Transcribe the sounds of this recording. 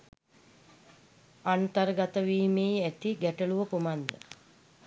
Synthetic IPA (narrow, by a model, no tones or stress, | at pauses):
ant̪əɾəɡat̪əʋiːmejæt̪iɡæʈəluʋəkumand̪ə̰